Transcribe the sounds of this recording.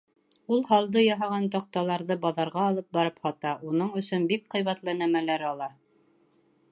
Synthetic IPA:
ulˠɦɑlˠd̪ɤjɑɦɑʁɑnt̪ɑq̚t̪ɑlˠɑɾðɤbɑðɑɾʁɑːlˠɤp̚bɑɾɤphɑt̪ɑʔunɤɴɵ̆sɵnbik̚qɤ̆jβɑt̪lˠɤnæmælæɾɑlˠɑ

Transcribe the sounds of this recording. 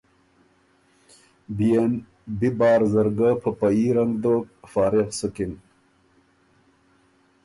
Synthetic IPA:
bn | bibɑːɾzɐɾɡapʰɐpɐiɾɐŋɡd̪oːk̚faːɾeqsukin

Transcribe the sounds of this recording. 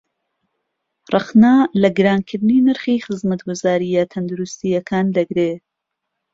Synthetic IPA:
rˤɑχnalɐɡɨɾaːnkʰɨɾd̪niːnɨɾxiːxɨzmɐt̪ɡʊzaːɾijat̪ʰɐnd̪uɾust̪ijɐkʰaːnd̪ɐɡɾe

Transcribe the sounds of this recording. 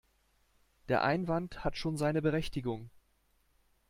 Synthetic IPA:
d̥eːɐʔaɪnvanthatʃoːnzaɪnəbəʁɛçtɪɡʊŋ

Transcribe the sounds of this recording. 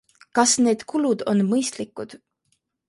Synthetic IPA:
kɑsne̞ːd̪̥kulud̪̥o̞nmɤjst̪likːˑud̪̥

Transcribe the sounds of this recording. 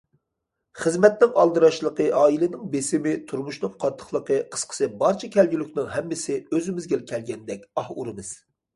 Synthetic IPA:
χəzmɛt̪nɪŋɑlˠd̪ɨɾɑʃlˠəqəʔɑːilɪnɪŋbesɪmɪt̪ʰuɾmuʃnɨŋqʰɑt̪ʰːə̥χlˠəqəqʰə̥sqʰə̥sɨbɑɾt͡ʃʰɑkʲʰɛlɡʲylykʲnɪŋɦɛmːɪsɪøzɪmɪzɡʲɛlkʲʰɛlɡʲɛnd̪ɛkʲɑhuɾɨmɨz̥

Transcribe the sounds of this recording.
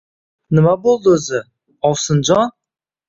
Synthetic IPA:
nɪmabolˠd̪əɵzɪ | ɒwsənd͡ʒɑ

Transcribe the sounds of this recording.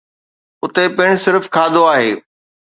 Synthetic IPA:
ʊt̪epɪ̃ɽ̃sɪɾfkʰaːd̪oaːɦeː

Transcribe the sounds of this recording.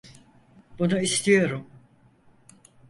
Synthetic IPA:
b̥unuist̪ʰijo̞ɾum

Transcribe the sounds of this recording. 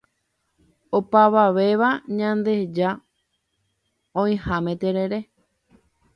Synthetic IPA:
opaʋaʋe̞ʋaɲãnd̪e̞d͡ʒa | õĩhãmẽt̪eɾe̞ɾe̞

